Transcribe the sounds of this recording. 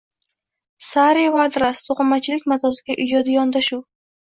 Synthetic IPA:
saɾivad̪ɾast̪ʰoqʊmːat͡ʃʰɪlɪkʲmat̪ʰɒsɪɡʲaʔɪd͡ʒɒd̪ɪjɒnd̪aʃuw

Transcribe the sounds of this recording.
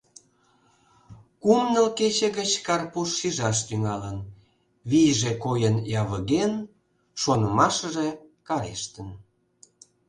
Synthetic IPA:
kumnəlket͡ɕeɣət͡ɕkɑrpuʃːiʒɑʃt̪yŋɑlən | βijʒekojənjɑβəɣen | ʃonəmɑʃəʒekɑɾḛʃt̪ən

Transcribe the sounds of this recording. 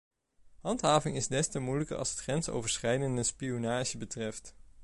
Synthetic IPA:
ɦɑntɦaːvɪŋɪzdɛstəmujləkə̰ɹʔɑ̰lˠsɦətχrɛnso̰wvəɹsχɛjdəndəspijonaːʒəbətrɛft

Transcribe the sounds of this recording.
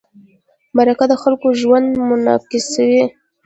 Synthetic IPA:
baɾakad̪əxalkoʒwand̪mʊnɑ̰kisawi

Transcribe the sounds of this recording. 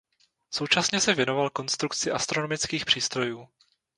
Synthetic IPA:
so̞wt͡ʃasɲɛsɛvjɛno̞valko̞nst̪ɾukt͡sɪʔast̪ɾo̞nomɪt͡skiːxpr̝̥iːst̪ɾo̞juː

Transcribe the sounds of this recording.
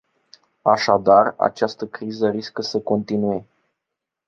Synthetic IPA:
aʃad̪ara̰t͡ʃast̪əkɾizəɾiskəsəko̞nt̪inue̞

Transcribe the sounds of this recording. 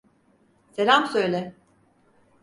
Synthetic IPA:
selʲamsøjlʲɛ

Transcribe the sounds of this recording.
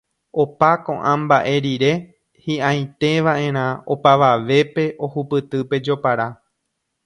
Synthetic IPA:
o̞pakõ̞̰ʔãmbaʔe̞ɾiɾe̞ | hiʔãj̃t̪e̞ʋaʔẽ̞ɾ̃ão̞paʋaʋe̞pe̞ʔo̞hupɨt̪ɨpe̞d͡ʒo̞paɾa

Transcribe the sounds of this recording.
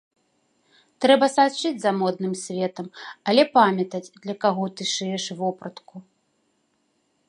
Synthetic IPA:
t̪ɾɛbɐsat͡ʂɨd͡zʲzɐmɔd̪̚nɨmsʲvʲɛt̪ɐmɐlʲɛpamʲɐt̪ɐd͡zʲd̪lʲɐkaɣɔt̪ɨʂɛjɛʂvɔpɾɐt̪ku

